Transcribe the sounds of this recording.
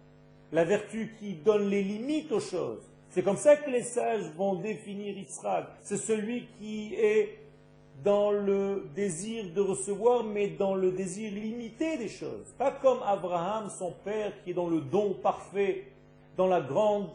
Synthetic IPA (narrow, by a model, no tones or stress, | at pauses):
lavɛʁt̪ykʲid̪ɔnlelimit̪oʃo̰ːz | sɛkɔmsakəlesaʒvɔ̃d̪efiniʁisχaksɛsəlɥikʲiɛ | d̪ɑ̃ləd̪eziʁd̪əʁəsəvwaʁmɛd̪ɑ̃ləd̪eziʁlimit̪ed̪eʃo̰ːzpakɔmabʁaamsɔ̃pɛʁkʲiɛd̪ɑ̃ləd̪ɔ̃paʁfɛ | d̪ɑ̃laɡʁɑ̃d̪